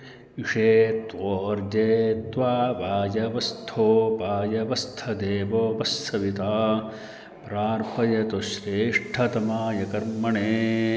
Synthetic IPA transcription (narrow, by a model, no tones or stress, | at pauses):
iʂeːt̪ʋoːɾd͡ʒeːt̪ʋaːʋaːjɐʋɐst̪ʰoːpaːjɐʋɐst̪ʰɐd̪eːʋoːbɐsːɐʋit̪aː | pɾaːɾpʰɐjɐt̪oʃɾeːʂʈʰɐt̪ɐmaːjɐkɐɾmɐɳeː